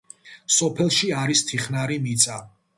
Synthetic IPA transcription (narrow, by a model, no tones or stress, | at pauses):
sɔpʰɛlˠʃiaɾist̪ʰiχnaɾimit̪sʼa